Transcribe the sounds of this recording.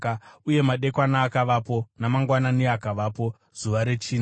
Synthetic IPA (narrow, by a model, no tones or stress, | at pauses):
auje̞maɗe̞kwanaːkaʋapo̞namaŋɡwananiakaʋaːpo̞ | z̥uʋaɾe̞t͡ʃiːna